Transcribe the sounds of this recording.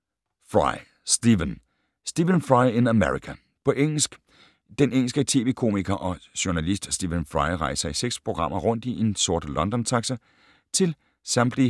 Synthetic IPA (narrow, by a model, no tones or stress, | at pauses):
fʁɑɪ | sd̥iʋən | sd̥iːʋənfʁɑ̈ɪe̝næmeʁikʰæ | pʰɒ̽ʔeŋ̰l̩sɡ̥ | d̥eneŋ̰l̩sɡ̥ət͡sʰe̝̰ːʋekʰo̝̰ːmiɡ̥ɐʔɒ̽ɕoɐnælisd̥sd̥iːʋənfʁɑ̈ɪʁɑ̈ɪsɑɪiseɡ̥spʰʁo̝ɡ̥ʁɑ̈m̰ɐʁɔ̽n̰d̥iʔe̝nso̝ɐd̥lɒ̽nd̥ɒnt͡sʰɑ̈ɡ̥sɐ | t͡sʰe̝l | sɑ̈mb̥li